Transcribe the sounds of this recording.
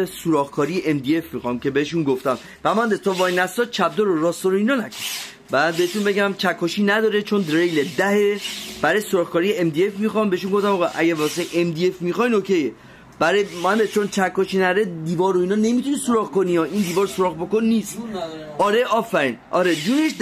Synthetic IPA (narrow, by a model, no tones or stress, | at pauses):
suɾɒːɣkʰɒːɾijeʔemd̪ie̞fmixɒːmcʰe̞beheʃunɡoft̪æm | b̥æmand̪et̪ʰɒvɒːjnæst̪ɒːt͡ʃʰæb̚d̪oɾoɾɒːst̪oɾoiːnɒːnækʰon | bæd̪̚beet̪unbeɟæmt͡ʃʰækʰːɔʃiːnæd̪ɒːɾet͡ʃʰond̪ɾejled̪æheb̥æɾɛjsoɾɒːɣkɒːɾijeemd̪iefmixɒmbeeʃunɡoft̪æmɒɣɑjʔæ̰ɟævɒseʔemd̪iefmixɒjnocʰt̪eje | b̥æɾɔjmænbet͡ʃʰont͡ʃʰækʰːɔʃiːnæd̪ɾed̪iːvɒːɾoiːnɒːnemit̪ʰunisoɾɒːɣkoniɒːʔind̪iːvɒːɾsoɾɒːɣbokonːist̪ɒːɾeɒːfæɾiːnʔɒ̰ːɾed͡ʒ̪uːneʃ